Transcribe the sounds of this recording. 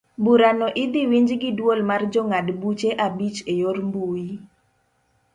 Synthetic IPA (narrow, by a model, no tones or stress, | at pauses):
buɾanɔʔɪd̪iwiɲd͡ʒɡɪdwolmard͡ʒɔŋadbut͡ʃeʔabit͡ʃejormbuji